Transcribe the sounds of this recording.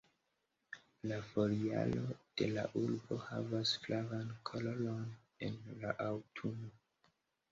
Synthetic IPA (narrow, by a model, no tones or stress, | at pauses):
lafoɾia̰lo̞d̥e̞la̰ʔulbo̞ha̰vasflavankʰololon | enlaʔawtʰuno